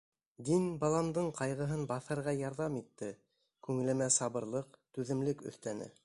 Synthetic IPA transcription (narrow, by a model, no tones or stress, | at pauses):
d̪inbɑlˠɑnd̪ɤɴqʰɑjʁɤ̆ɦɤnbɑθɤ̆ɾʁɑjɑɾðɑmit̪ːɘ | kʉŋɘ̆lɘ̆mæsɑβɤ̆ɾlˠɤqt̪ʉðɘ̆mlɘkɵ̰̆θt̪ænɘ̰